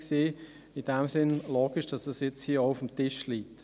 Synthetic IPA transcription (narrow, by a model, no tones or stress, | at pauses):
kseː | ɪd̥ɛmsɪnloːɡ̥ɪʃd̥ɑsdɑsjɛt͡shiːəʊfəm̩tɪʃliːk̚t